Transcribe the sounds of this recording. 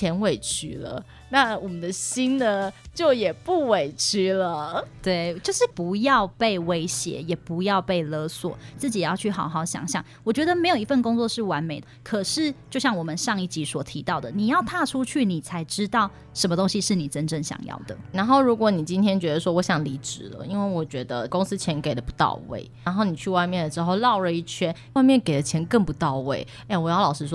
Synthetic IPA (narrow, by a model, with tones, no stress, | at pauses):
t͡ɕʰjɛ˧˥nwe˥˨˩ɪt͡ɕʰy̰˥lə̰˨ | na˥˨wɔ˨˩mə˦nd̪ə˨ɕi˥nnə˨t͡ɕjo˥˩ʊjɛ˨˩pu˥˩we˨˩ɪt͡ɕʰy˥lə˨t̪we˥˩ɪt͡ɕjo˥˧ʊʂɻ̩˥˩pu˧˦jɑ˥˨˧ʊpe˥˩ɪwe˥ɪɕjɛ̰˧˥˦jɛ˨˩pu˧˥jɑ˥˧ʊpe˥˩ɪlɤ˧˥swɔ̰˨˩t͡sɹ̩˥˩t͡ɕi˨˩jjɑ˥˧ʊy˥˩xɑ˨˩ʊxɑ˥˩ʊɕjɑ̰˨˩ŋɕjɑ̰˥˩˦ŋwɔ˨˩t͡ɕɥɛ˧˥d̪ə˧me˧˥ɪjo˨˩ʊi˧˦fə˥˩nko˥ŋt͡swɔ˥˧ʂɻ̩˥˩wa˧˦˥nme˨˩ɪd̪ə˦kʰɤ˨˩ʂɻ̩˥˩t͡ɕjo˥˧ʊɕjɑ˥˩ŋwɔ˨˩mə˦nʂɑ˥˧ŋi˥˩t͡ɕi˧˥swɔ˨˩t̪ʰi˧˥t̪ɑ˥˩ʊd̪ə˩ni˨˩jɑ˥˧ʊt̪ʰa˥˨ʈ͡ʂʰu˥t͡ɕʰy˥˩ni˨˩t͡sʰa˧˥ɪʈ͡ʂɻ̩˥t̪ɑ˥˩ʊ | ʂə˧˥mə˧t̪o˥ŋɕi˧ʂɻ̩˥˩ni˨˩ʈ͡ʂə˦˥nʈ͡ʂə˥˩ŋɕjɑ̰˨˩ŋjɑ̰˥˩ʊd̪ə̰˩na˧˦nxo˥ʊɻu˧˥kwɔ˧˥˦ni˨˩t͡ɕi˥nt̪ʰjɛ˥nt͡ɕɥɛ˧˥d̪ə˨˧ʂwɔ˦˥wɔ˧˥ɕjɑ˨˩ŋli˧˥ʈ͡ʂɻ̩˨˩lə̰˦i˥nwe˥˩ɪwɔ˨˩t͡ɕɥɛ˧˥d̪ə̰˧ko˥ŋs̩˥t͡ɕʰjɛ˧˥nke˨˩ɪlə˦˩pu˧˦t̪ɑ̰˥˨˧ʊwḛ˥˩ɪa˧˥nxo˥˩ʊni˨˩t͡ɕʰy˥˧wa˥˧ɪmjɛ˥˩ndə˩ʈ͡ʂɻ̩˧˦xo˥˧ʊlɑ˥˧ʊlə˨i˥˩t͡ɕʰɥɛ˥n | wa˥˧ɪmjɛ˥˨nke˨˩ɪlə˩˦t͡ɕʰjɛ˧˥nkə˥˩ŋpu˧˦t̪ɑ˥˧ʊwe˥˩ɪ | e˥˩wɔ˨˩jɑ˥˩ʊlɑ˨˩ʊʂɻ̩˧˥ʂ̬wɔ˥